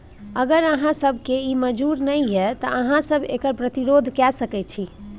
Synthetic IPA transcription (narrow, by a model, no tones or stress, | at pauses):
əɡəɾəɦãsəbʱkeiməd͡ʒuɾnəjɦɛt̪əʔəɦãsəbʱekəɾpɾət̪iɾod̪ʱkɛsəkɛt͡ʃʰi